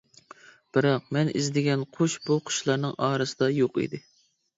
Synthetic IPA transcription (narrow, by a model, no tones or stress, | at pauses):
b̥ɨɾɑq̚mɛnḭzd̪ɪɡʲɛnqʰoʃbuqʰʊ̥ʃlˠɑɾnɨŋɑːɾɨsɨd̪ɑjoqḭd̪ɪ